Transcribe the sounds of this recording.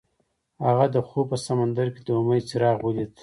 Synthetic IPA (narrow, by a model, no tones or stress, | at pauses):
haɣad̪əxopəsamand̪aɾked̪omajt͡siɾɑɣwulit̪